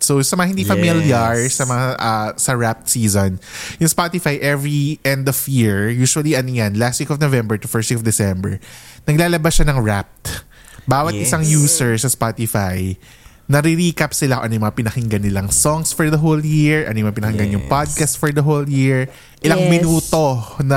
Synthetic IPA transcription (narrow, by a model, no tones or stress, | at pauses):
sowsɐmɐŋɐhɪnd̪ifɐmiljaɹsɐmɐŋaʔɐsɐɹap̚t̪siːzonjʊŋspat̪ɪfajʔɛvɹiʔɛ̃nd̪ɔvjiɹjuːʃwɐliʔɐnojanlast̪wikɔfnovɛmbɛɹt̪ufɛɹswikɔfd̪ɛsɛmbɛ̰ɹnɐɡlaːlɐbasʃanɐŋɹap̚t̪ | baːwɐt̪̚ʔɪsaŋjuːsɛɹsɐspat̪ɪfaj | nɐɾɪɾiːkapsɪlaoʔɐ̰nojʊmɐŋapɪnɐhɪŋɡɐnːɪlaŋsɔŋsfɔɹd̪ɐɦoljɪɹʔɐ̰nojmɐŋɐpɪnɐhɪŋɡanjʊŋpad̪̚kast̪fɔɹd̪ɐɦoljɪɹ | ʔɪlaŋmɪnuːt̪o̞nɐ